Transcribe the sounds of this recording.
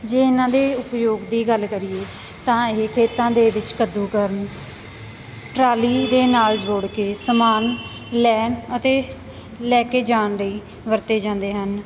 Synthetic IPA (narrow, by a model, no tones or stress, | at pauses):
d͡ʒeːɪnãːd̪eːʊpjoːɡd̪iːɡəlkəɾɪeː | t̪ãːɪɦkʰeːt̪ãːd̪eːʋɪt͡ʃkəd̪ːuːkəɾən | ʈɾaːliːd̪eːnaːld͡ʒoːɽkeːsəmaːn | lɛːnət̪eː | lɛːkeːd͡ʒaːnləiː | ʋəɾt̪eːd͡ʒãːnd̪eːɦən